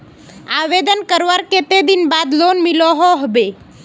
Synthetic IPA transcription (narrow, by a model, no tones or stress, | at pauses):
aʋed̪ənkəɾʋaɾket̪ed̪inbad̪lonmilɔɦoɦbe